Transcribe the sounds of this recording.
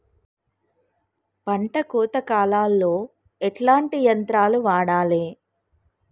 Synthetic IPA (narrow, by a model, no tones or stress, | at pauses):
pɐɳʈɐkuːt̪ɐkaːlaːlːo̞ː | ɛʈlaːɳʈijɐnt̪ɾaːluʋaːɽaːleː